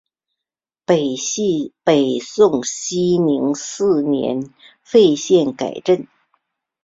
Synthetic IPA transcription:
pe˨˩˥ | pe˨˩ɪsʊ˥˩ŋɕi˥ni˧˥ŋsɹ̩˥˩njɛ̰˧˥n | fe˥˧ɪɕjɛ˥˩nka̰˨˩ɪʈ͡ʂə˥˩n

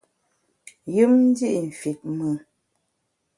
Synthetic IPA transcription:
jɨ˦mn̩˦di˦ʔn̩˨fi˨t̚mə˨

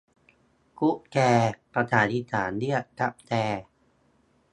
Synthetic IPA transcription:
ku˦˥ʔkɛː˧pɾa˧t̪ʰaː˩˦ni˦˥sʰaː˩˦ndi˥˩ət̚ka˦˥p̚t̪ɛː˧

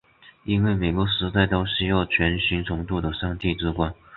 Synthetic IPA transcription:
i˥nwe˥˩ɪme˨˩ɪkwɔ˧˥ʂɻ̩˧˥t͡sa˥˩ɪt̪o˥ʊɕy˥˧jɑ˥˩ʊt͡ɕʰɥɛ˧˥nɕi˧˥ŋt͡sʰʊ˧˥ŋt̪u˥˩d̪ə˩ʂɑ˥˧ŋt̪i˥˩ʈ͡ʂɻ̩˥kwa˥n

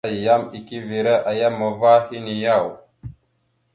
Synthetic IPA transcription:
ja˦mi˨ki˦vi˨ɾə˦ʔa˨ja˦mːə˨va˦hi˦ni˨ja˦w

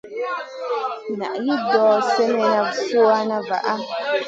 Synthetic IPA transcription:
na̰˨ʔji˦dɔː˨sɛ˦mɛ˨na˦so˦a˦na˦va̰˨ʔa˦

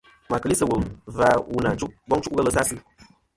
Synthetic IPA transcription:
ma˨kə˨li˦sɨ˨wu˨lva˨u˨na˨t͡ʃu˦ʔ̚ɡ͡bɔ˦ŋt͡ʃu˦ɣə˦lə˦sa˦sɨ˦

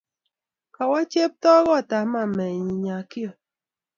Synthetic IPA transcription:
ka˨wa˦t͡ʃe˦p̚tɔ˦ɣɔ˦˨ta˨ma˦˨mɛ˨ɲi˨ɲa˨ki˦ɔ˨

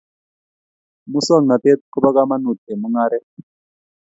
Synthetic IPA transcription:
mu˦sɔ˦˨ŋna˨t̪e˦t̪̚ku˦ba˦ka˦ma˦nu˨t̪ɛ˨mu˦ŋa˦ɾɛ˦

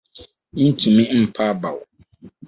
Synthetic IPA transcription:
n̩˦tʰu˨mĩ˦m̩˦pʰa˦ba̰˨w

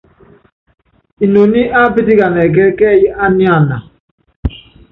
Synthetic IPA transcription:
i˨no˨ni˦ʔa˦pi˦ti˦ka˨nɛ˨k̬ɛ˦kɛ˦˨ji˦ʔa˦ni˦a˦˨na˨

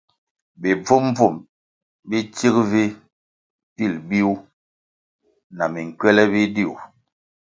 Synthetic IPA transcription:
bi˨b͡vu˦m˦b͡vu˦˨m | bi˦ti˦kvi˦ | pi˦˨lbi˦u˦ | na˨mi˨ŋ̩˨kɥɛ˦lɛ˦bi˦di˦˨ṵ˨

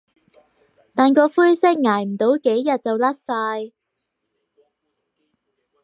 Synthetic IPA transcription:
t̪aː˨nkɔː˧fuː˥jsɪ˥k̚ŋaː˨˩jm̩˨˩t̪o˨˥wke˨˥jːɐ˨t̚t͡sɐ˨wlɐ˥t̚saː˧j

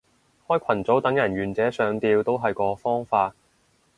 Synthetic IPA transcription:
hɔː˥jkʷʰɐ˨˩nt͡so˨˥wt̪ɐ˨˥ŋjɐ˨˩nɥyː˨˩nt͡sɛː˨˥sœː˨˧ŋt̪iː˧wt̪o˥wɦɐ˨jkɔː˨˧fɔː˥ŋfaː˧t̚

